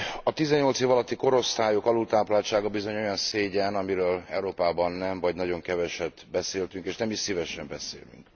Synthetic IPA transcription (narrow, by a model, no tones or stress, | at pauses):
ɒt̪izɛɲːo̞lt̪seːvɒlɒt̪ːiko̞ɾo̞st̪aːjokɒlult̪aːplaːlt͡ʃaːɡɒbizo̞ɲo̞jɒnseːɟɛnɒmiɾøːlɛ̰wɾoːpaːbɒnːɛɱvɒɟnɒɟo̞ŋkɛvɛʃɛd̪ | bɛseːlt̪yŋkeːʃnɛmiʃsivɛʃɛmbɛsḛːly̰ŋk